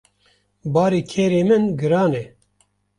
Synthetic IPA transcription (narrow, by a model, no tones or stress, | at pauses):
bɑːɾiːkʰeːɾeːmɨnɡɨɾɑːnɛ